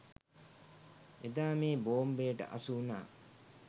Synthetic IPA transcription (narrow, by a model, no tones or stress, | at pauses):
ed̪aːmiːboːmbeːʈə̰ʔɐ̰suːnaː